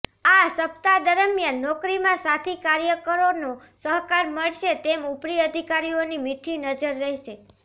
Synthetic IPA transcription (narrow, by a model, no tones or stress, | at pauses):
asəpt̪ad̪əɾəmjanːɔkɾimãsat̪ʰikaɾjəkəɾono | səɦkaɾməɭʃet̪emupɾiəd̪ʱikaɾionimiʈʰinəd͡ʒəɾːəɦiʃe